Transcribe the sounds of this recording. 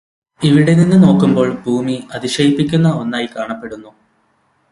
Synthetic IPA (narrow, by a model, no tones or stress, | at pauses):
iʋiɽe̞ninːɨno̞ːkːumbo̞ːɭbʱuːmiɐðiɕɐjipːikʲːunːɐo̞nːaːjikaːɳɐpːe̞ɽunːu